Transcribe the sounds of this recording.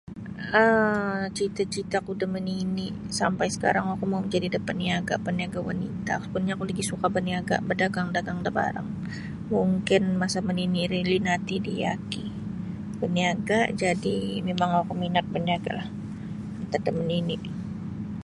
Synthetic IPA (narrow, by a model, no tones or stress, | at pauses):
ət͡ʃit̪at͡ʃit̪akudəməninɪʔsampajsə̥ka̰ɾaŋwakumawməɲd͡ʒadidəpaniaɡa̰pəniaɡawa̰nḭt̪a̰spunɲakuləɡisukabəniaɡa̰bərdaɡaŋdaɡaŋdaba̰ɾa̰ŋ | muŋkɪnmasaməniniɾilinat̪idija̰ki | bəniaɡad͡ʒadimemaŋwakuminat̪̚bəniaɡa̰lah | ənt̪adəməninɪʔ